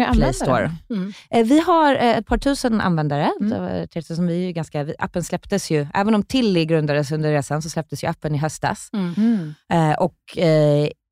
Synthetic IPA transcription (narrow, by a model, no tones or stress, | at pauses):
lɛst̪o̰ːɾ | vɪɦaɾɛt̪̚pʰɑːʈʰʉ̟ːsəna̰nvɛnd̪aɾəd̪ɛ̰t̪ʰɪssɔmvɪæɾjɵɡanskavɪʔa̰pːənslɛpt̪əsjɵʔæ̰ːvənɔmt̪ʰɪlːɪɡɾɵnd̪ad̪əsɵnd̪əɾeːsans̬ɔslɛp̚t̪əsjɵapːənɪɦœst̪a̰s | ʔɔk